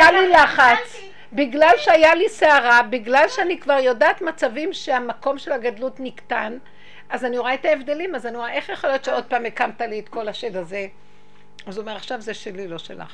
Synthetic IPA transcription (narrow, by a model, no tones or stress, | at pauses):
jalilaχat͡s | biɡlalʃeajaliseaʁabiɡlalʃeanikvaʁjo̞daːt̪mat͡savimʃeamako̞mʃe̞laɡadlutniktan | azanioʁaetaevd̪e̞limazanioʁaʔe̞χjaχolijot̪t͡ʃeo̞d̪̚paːmekamtaliet̪ko̞laʃedaze̞ | azuomeʁaχʃavzeʃelilo̞ʃḛla̰χ